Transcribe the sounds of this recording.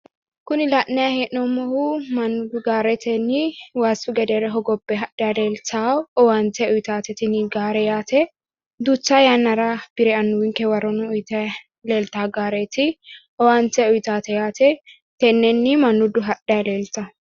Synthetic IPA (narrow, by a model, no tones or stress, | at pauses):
kʊnɪlɐʔnːɛjɐheʔnɔmɔhumɐnːʊd̪ʊɡaːɾɛt̪ɛnɪwaːsʊɡɛd̪ɛɾɛɦɔɡɔbːɛɦɐᶑɛɐleːlt̪aɔwant̪ɛɔjt̪aːt̪ɛt̪ɪnɡaːɾɛjaːt̪ɛ | d̪ut͡ʃːajanːɐɾab̥ɪɾɛɐnːʊwɪŋkɛwɐɾɔnɔʊjt̪ɛ | leːlt̪aːɡaːɾeːt̪ɪ | ɔwaːnt̪ɛʊjt̪aːt̪ɛjaːt̪ɛ | t̪ɛnːɛnːɪmɐnːʊd̪ʊɦɐᶑɛɐleːlt̪ɐ